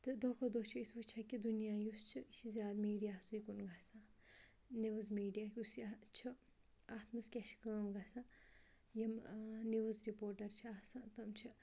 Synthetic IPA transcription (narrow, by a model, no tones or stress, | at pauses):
t̪ɨd̪oːkʰod̪oːt͡ʃʰiisbɐt͡ʃʰɐkid̪unijaːjust͡ʃʰiʃʰizʲjaːd̪miːɖijaːsujikunɡʱasã | niʋɐzmiːɖijaːkʲusit͡ʃʰɨ | aːt̪mɐskʲɛʃkəːmɡasãː | jɐmniʋɐzɾipoːɾʈɐɾt͡ʃʰiasãt̪ɐmt͡ʃʰi